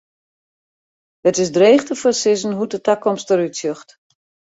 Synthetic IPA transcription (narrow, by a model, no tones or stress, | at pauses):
ətɪsdreːχtəfəsɪzən̩ɦutətakʰɔmstəɾytsjøxt